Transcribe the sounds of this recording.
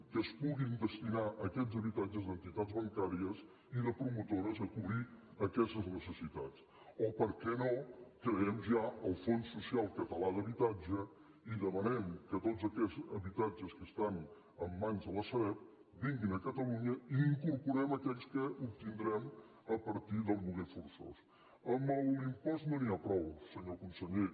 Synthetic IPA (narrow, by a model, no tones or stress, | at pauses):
kəspuɣind̪əst̪inaʔəkɛzəβit̪ad͡ʒəzd̪ənt̪it̪ad͡zβəŋkaɾiəs | iðəpɾumut̪oɾəzəkuβɾiəkɛst̪əznəsəsit̪at͡s | opəɾkɛnokɾəɛmʒaəlˠfonsːusialˠkət̪əlaðəβit̪ad͡ʒə | iðəmənɛmkət̪otzəkɛzəβit̪ad͡ʒəskəst̪an | əmːanzðələsəβɛt̪̚ | biŋɡinəkət̪əluɲəiːŋkuɾpuɾɛməkɛʎskəʔup̚t̪ind̪ɾɛm | əpəɾt̪iðəlˠmuɣefuɾso̰s | əməlˠimpɔzt̪noniapɾɔwsəɲokunsəʎe